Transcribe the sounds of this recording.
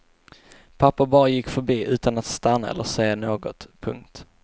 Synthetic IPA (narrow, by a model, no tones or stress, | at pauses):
pʰapːabɑːɾajɪkːfœɾbiːʔʉ̟ːt̪anat̪st̪anːaɛ̰lːəseːanoːɡɔt̪pʰɵ̰ŋk̚t̪